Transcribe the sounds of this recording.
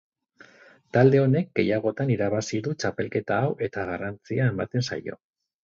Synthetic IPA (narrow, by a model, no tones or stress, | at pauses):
t̪ald̪e̞o̞ne̞k̚ɡe̞̰jaɣ̞o̞t̪aniɾaβ̞asiðut͡ʃape̞lke̞t̪aːwʔe̞t̪aɣ̞arant͡siaembat̪e̞nsa̰jo̞̰